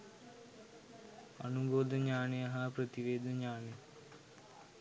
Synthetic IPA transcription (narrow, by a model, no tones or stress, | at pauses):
ənuboːd̪əɲaːneɐɦapɾət̪iʋeːd̪ʱəɲaːne